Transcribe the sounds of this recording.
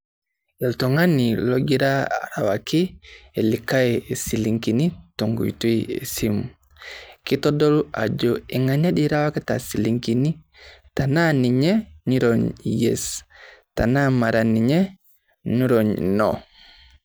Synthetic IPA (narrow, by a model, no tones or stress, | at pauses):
ɛltoŋaniloɡiɾaɾa̰wakielikaɛsiliŋkinitoŋɡṵjtujḛsimu | kitɔdɔluʔa̰d͡ʒɔiŋaɲaɗiɾawakata̰siliŋkini | tananiɲɛniɾɔɲjḛstanamaɾaniɲɛ | niɾoɲnɔ̰